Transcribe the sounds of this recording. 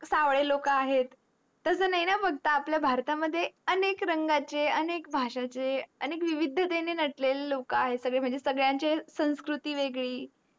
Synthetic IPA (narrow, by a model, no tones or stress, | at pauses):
saʋɭelokaɦet̪ː | əsənaɦinabəɡt̪aːpljabʱaɾt̪aməd̪ʱːjeənekɾəŋɡat͡ɕeənek̚bʱaʂat͡ɕeənekʋiʋid̪ʱːət̪enenəʈlelːokəaɦetsəɡɭem̤əɳd͡zesəɡɭjãɲt͡ɕesə̃w̃skɾut̪iːʋeɡɭiː